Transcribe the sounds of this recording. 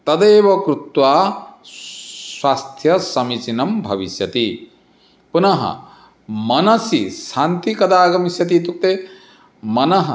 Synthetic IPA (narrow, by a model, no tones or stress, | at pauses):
t̪ɐd̪eːʋɐkɾut̪waː | swaːst̪ʰjɐsɐmit͡ʃinɐmbʱɐ̰ʋisjɐt̪i | punɐɦɐ̰ | mɐnɐsiʃaːnt̪ikɐd̪aːɡɐmisjɐt̪̬iːt̪uk̚t̪eː | mɐnɐɦɐ̰